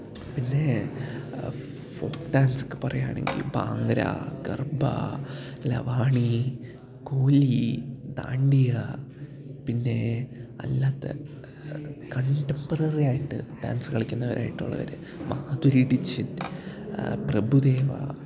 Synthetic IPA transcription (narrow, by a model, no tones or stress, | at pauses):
pinːe̞ | foːkɖaːnsɨ̥kːɨ̥pɐrɐjaːɳe̞̰ŋɡḭlba̰ːŋɡɐɾa̰ɡɐ̰rbɐ̰lɐ̰ʋaːɳi | koːlid̪a̰ːɳɖijɐ | pinːe̞ɐ̰lːaːt̪ːḛ | kɐɳʈempɐrɐrijaːjiʈːɨ̰ɖa̰ːnsɨkɐɭikʲːunːɐʋɐɾʔaːjiʈːuɭːɐ̰ʋɐ̰ɾɨ | maːd̪uɾiɽit͡ɕːin | prɐbʱud̪eːʋa̰